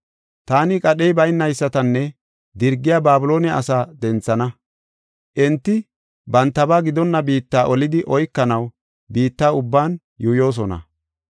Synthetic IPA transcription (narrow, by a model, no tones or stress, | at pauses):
t̪aːnɪkʼɐɗɛjbɐjnːɐjsːɐt̪ɐnːɛ | d̪ɪɾɡːɪjaːbaːbʊlo̞ːnɛʔɐ̰saːd̪ɛnt͡sːɐnɐ | ʔɛnt̪ːɪ | bɐnt̪ːɐbaːɡɪd̪ɔnːɐbiːt̪ːaːʔɔlɪd̪ɪʔɔjkːɐnɐw | biːt̪ːaːʊbːaːn | juːjo̞ːs̬ɔnɐ̰